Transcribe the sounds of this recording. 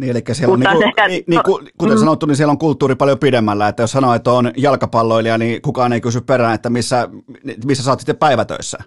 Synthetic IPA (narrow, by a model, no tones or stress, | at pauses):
niːelikːæsieloniueniːkukut̪ensɑnot̪ːunisieloŋkult̪ːuːripɑljopidemːælːæet̪ːæjossɑnoet̪ːoːnjɑlkɑpɑlːoiliɑniːkukɑːneikysypperæːnet̪ːæmisːænmisːæsɑːt̪si̥t̪ːeppæiʋæt̪ø̰isːæ̰